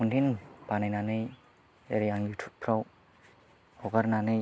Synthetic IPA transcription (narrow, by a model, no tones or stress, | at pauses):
undinbanajnanɯj | ḛɾijaŋlitʰu̥pʰɾaw | ɔɡaɾnanɯj